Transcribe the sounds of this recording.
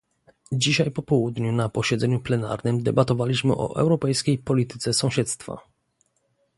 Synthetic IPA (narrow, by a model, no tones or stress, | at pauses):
d͡ʑiɕajpɔpɔwud̪ɲunapɔɕɛd̪zɛɲuplɛna̰ɾnɘmd̪ɛbat̪ɔvalʲiɕmɘ̰ʔɔ̰ʔɛ̰wɾɔpɛjskʲejpɔlʲit̪ɘt̪sɛsɔ̃w̃ɕɛt̪st̪fa̰